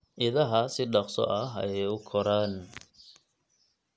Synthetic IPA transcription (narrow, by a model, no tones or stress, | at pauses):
ʔɪðɐɦɐsɪɖɑqsɔ̰ʔɐɦɐ̰jɛjʊkʰɔɾaːn